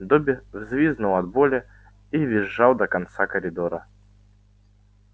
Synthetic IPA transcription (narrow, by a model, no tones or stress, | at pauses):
d̪obʲɪvzvʲiznʊlˠɐd̪bolʲɪ | ivʲɪʐːɑlˠd̪əkɐnt̪sakəɾʲɪd̪oɾə